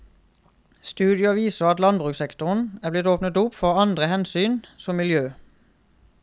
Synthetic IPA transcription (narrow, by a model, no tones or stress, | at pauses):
st̪ʉːd̪ɪɑʋiːsəʁɑt̪lɑnbʁʉːksɛkt̪ʊʁn̩æːblɪt̪oːpnət̪ʊpfɔʁɑnd̪ʁəhɛnsyːnsɔmɪljøː